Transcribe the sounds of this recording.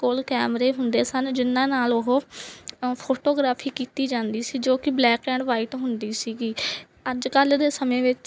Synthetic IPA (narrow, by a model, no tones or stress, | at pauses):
kolkɛːmɾeːɦʊnd̪eːsənd͡ʒɪnːãːnaːlʊɦoː | pʰoːʈoːɡɾaːpʰiːkiːt̪iːd͡ʒãːnd̪iːsiːd͡ʒoːkɪblɛːkɛ̃ːɳɖʋaːiʈɦʊnd̪iːsiːɡiː | əd͡ʒkəld̪eːsəmẽːʋɪt͡ʃ